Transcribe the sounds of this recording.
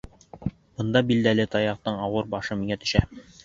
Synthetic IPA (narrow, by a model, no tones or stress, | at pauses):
b̥ɤ̆nd̪ɑbild̪ælɘt̪ɒjɑq̚t̪ɤɴɒwɤɾbɒʃɤmiŋæt̪ɵ̆ʃæ